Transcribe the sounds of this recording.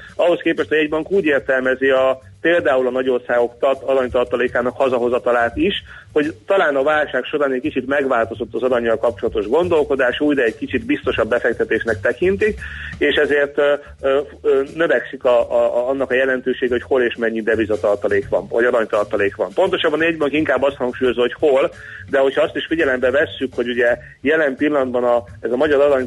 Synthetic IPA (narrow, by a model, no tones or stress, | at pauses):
ɒɦo̞skeːpɛʃt̪hojɛɟbɒŋkuːɟeːrt̪ɛlmɛziɒ | peːld̪aːulɒnɒɟo̞rsaːɡo̞kt̪ɒt̪ɒɾɒɲt̪ɒrt̪ɒleːkaːnɒkhɒzɒɦo̞zɒt̪ɒlaːt̪iʃ | ho̞ɟt̪ɒlaːnɒvaːlʃaːkʃo̞ɾaːnɛckit͡ʃit̪mɛɡʋaːlt̪o̞zo̞t̪ːɒzɒɾɒɲːɒlkɒp̚t͡ʃo̞lɒt̪o̞ʒɡo̞nd̪o̞lko̞d̪aːʃuːjdɛːckit͡ʃid̪bist̪o̞ʃɒbːɛfɛk̚t̪ɛt̪eːʃnɛkt̪ɛkint̪ikeːʃɛzeːrt̪ø | ønøvɛksikɒɒnːɒkɒjɛlɛnt̪øːʃeːɡɛho̞cho̞leːʃmɛɲːid̪ɛvizɒt̪ɒrt̪ɒleːkʋɒ̰m̰ɟɒɾɒɲt̪ɒrt̪ɒleːkʋɒ̰mpo̞nt̪o̞ʃɒbːɒnɛɟbɒŋkiŋkaːbːɒst̪hɒŋkʃuːjo̞zoho̞cho̞l | d̪ɛho̞chɒɒst̪iʃfiɟɛlɛmbɛvɛsːykho̞ɟuɟɛ | jɛlɛmpilːɒnɒd̪bɒnɒ | ɛzɒmɒɟɒɾɒɾɒɲ